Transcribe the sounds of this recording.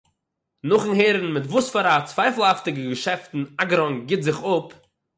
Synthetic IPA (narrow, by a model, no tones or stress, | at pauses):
nʊχn̩ɦeːɾn̩mɪtvuːsfaɾat͡svaɪfl̩ˠhaftɪɡəɡəʃɛftn̩aɡɾɔŋɡɪtzɪχʊp